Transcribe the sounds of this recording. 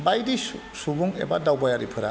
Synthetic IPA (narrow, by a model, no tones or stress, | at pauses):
bajdi | subuŋḛbadawbajaɾipʰɯɾa̰